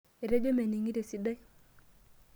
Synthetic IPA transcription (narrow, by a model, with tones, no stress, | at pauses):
e˨ɾe˦d͡ʒo˦me˨ni˨ŋi˦ɾe˨si˦da˦